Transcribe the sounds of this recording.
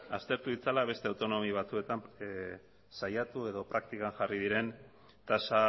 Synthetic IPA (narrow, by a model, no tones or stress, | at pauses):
a̰st̪e̞ɾt̪uβit͡salaβ̞e̞st̪e̞awt̪o̞no̞miβat͡sue̞t̪am | sajat̪ue̞ðo̞pɾak̚t̪ikaŋʝarið̞iɾe̞n | t̪asa